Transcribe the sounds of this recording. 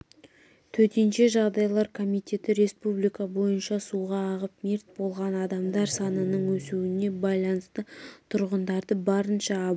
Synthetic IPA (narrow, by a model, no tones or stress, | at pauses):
t̪ʰɵt̪enʃe̞ʒɑʁd̪ɑjlˠɑɾkʰo̞mijt̪ʲe̞t̪ɪɾe̞spublijkɑbo̞jənʃɑsuʁɑːʁəp̚meɾt̪̚bo̞lˠʁɑnɑd̪ɑmd̪ɑɾsɑnənəɴwɵsuwɪne̞bɑjlˠɑnəst̪ət̪ʰʊɾʁənd̪ɑɾd̪əbɑɾənʃɑːb